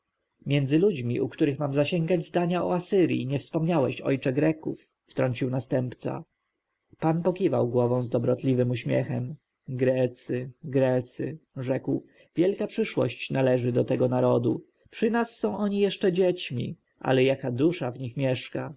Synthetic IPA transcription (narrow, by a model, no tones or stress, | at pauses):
mʲjɛnd̪zɘlud͡ʑmʲiʔukt̪uɾɘxmamzaɕɛŋɡad͡ʑzd̪aɲaɔasɘɾʲjḭɲɛfspɔmɲawɛɕɔ̰jt͡ʂɛɡɾɛkufːt̪ɾɔɲt͡ɕiwnast̪ɛmpt̪sa̰ | panpɔkʲiva̰wɡwɔvɔ̃w̃zd̪ɔbɾɔt̪lʲivɘmuɕmʲjɛ̰xɛm | ɡɾɛt̪sɘɡɾɛt̪sɘʐɛkw | vʲjɛlkapʂɘʂwɔ̰ɕt͡ɕnalɛʐɘd̪ɔt̪ɛɡɔnaɾɔd̪u | pʂɘnasːɔ̃w̃ʔɔɲijɛʂt͡ʂɛd͡ʑet͡ɕmʲḭ | ʔa̰lɛjakad̪uʂavɲixmʲjɛʂka